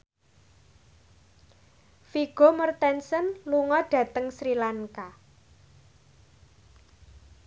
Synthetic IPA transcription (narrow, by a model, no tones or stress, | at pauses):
fiɡ̥omərt̪ɛnsənluŋɔɖ̥ä̤t̪əŋsɾilaŋka